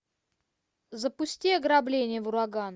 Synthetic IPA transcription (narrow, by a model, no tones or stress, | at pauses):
zəpʊsʲtʲiɐɡɾablʲenʲɪjəvʊɾaɡan